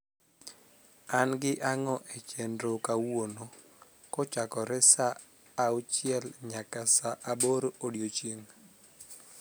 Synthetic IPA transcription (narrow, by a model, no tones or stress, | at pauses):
anɡɪʔaŋɔʔɛt͡ʃɛndɾokawono | kɔt͡ʃakɔɾɛsaː | ot͡ʃɪɛlɲakasaʔaboɾoodjot͡ʃeŋ